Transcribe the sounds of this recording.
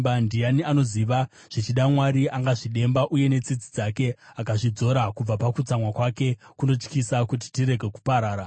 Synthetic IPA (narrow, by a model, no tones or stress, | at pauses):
andijaniano̞ziʋa | ʐ̥it͡ʃiɗamwaɾiaŋɡaʐiɗe̞mbaʔuje̞ne̞t͡sid͡zid͡zake̞akaʐid͡zo̞ɾakub͡vapakut͡samwakwake̞kuno̞t͡ʃkisakut̬i̥tiɾe̞ɡʱe̞ku̥paɾaːɾa